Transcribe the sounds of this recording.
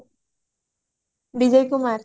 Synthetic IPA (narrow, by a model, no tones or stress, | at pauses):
bid͡ʑɔjkumaɾ